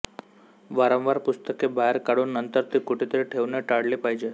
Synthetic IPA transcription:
ʋaɾə̃ʋaɾpust̪əkebaɦeɾkaɽuːnːənt̪əɾt̪ikuʈet̪əɾiʈʰeʋneʈaɽlipaɦjd͡ʑe

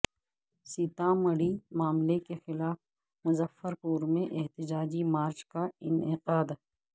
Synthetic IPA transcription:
sit̪ãːmɐɽimaːmlekexɪlaːf | mʊzəfəɾpuːɾmẽʔɛɦt̪ɪd͡ʒaːd͡ʒimaːɾt͡ʃkaɪnɪqaːd̪

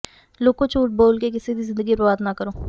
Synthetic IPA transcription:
loːɡkot͡ʃʰuːʈ̚boːlkek̬ɪsid̪ʱizɪ̃nd̪əɡipɾəʋaːd̪nakəɾoː

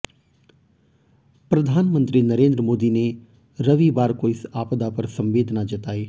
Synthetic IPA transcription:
pɾɐd̪ʱaːnmə̃nt̪ɾinɐɾẽːnd̪ɾəmoːd̪ine | ɾɐʋibaːɾkoɪsaːpd̪apɐɾsɐ̃mʋeːd̪ʱnad͡ʒɐt̪aːiː

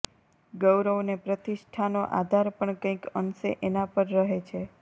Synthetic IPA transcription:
ɡəwɾəʋnepɾət̪iʃʈʰanoʔa̰d̪ʱaɾpəɳkə̃ĩkənsḛʔenapəɾɾəɦet͡ʃʰe

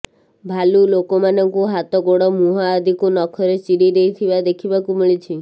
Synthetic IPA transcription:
bʱalulokɔmanɔŋkuɦat̪ɔɡoɽɔmuɦaːd̪ʱikunɔkʰɔɾet͡ʃiɽiɾeit̪ʰibad̪ekʰibakumiɭit͡ʃʰi

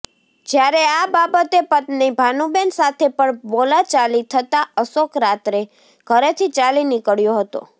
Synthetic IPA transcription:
d͡ʒjaɾeababət̪epət̪nibʱanubensat̪ʰepəɳbolat͡ʃalit̪ʰət̪aəsokɾat̪ɾe | ɡ̥ʱəɾet̪ʰit͡ʃalinɪkəɽjoɦət̪o̰

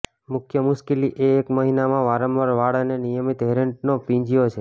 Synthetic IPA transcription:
mʊkʰjəmʊʃkiliʔeːkməɦinamãʋaɾəmʋaɾʋaɽanenijəmit̪ɦeɾəɳʈ̚nopĩɲd͡ʒijot͡ʃʰe

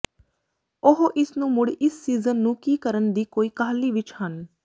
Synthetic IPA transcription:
oɦoʔɪsnũːmʊɽʔɪsːiːzənːũːkiːkəɾənd̪iːkoːiːkaːliːʋɪt͡ʃhən

